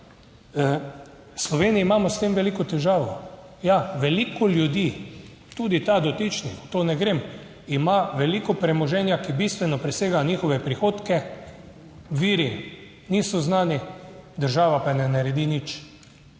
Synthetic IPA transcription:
slɔʋeːniiːmaːmɔst̪emʋɛlikɔt̪ɛʒaːʋɔjaʋɛliːkɔljud̪i | t̪uːd̪it̪ad̪ɔt̪it͡ʃnixt̪oːnɛɡɾeːm | imaʋɛlikɔpɾɛmɔʒɛnjakibist̪ʋɛnɔpɾɛseːɡanʲiːxɔʋɛpɾixoːt̪kɛ | ʋiːɾi | niːsɔznaːnid̪əɾʒaːʋapanɛnaɾɛd̪init͡ʃ

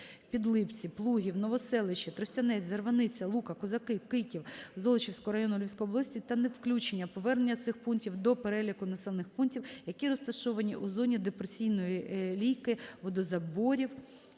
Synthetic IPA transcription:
pʲid̪lˠɪpt͡sʲiplˠuɦʲiwnɔʋɔsɛlˠɪʃit̪ɾɔsʲtʲɐnɛzɐrʋɐnɪt͡sʲɐlˠukɐkɔzɐkɪkɪkʲiwzɔlˠɔt͡ʃiwsʲkɔɦɔɾɐjɔnʊlʲiwʲsʲkɔɦɔblˠɐsʲtʲit̪ɐnewklʲut͡ʃenʲːɐpɔʋɛrnenʲːɐt̪sɪxpuntʲiwd̪ɔpeɾɛlʲikʊnɐsɛlˠnɪxpuntʲiwjɐkʲiɾɔst̪ɐʃɔʋɐnʲiʔuzɔnʲid̪epɾesʲijnɔjilʲijkɪʋɔd̪ɔzɐbɔɾʲiw

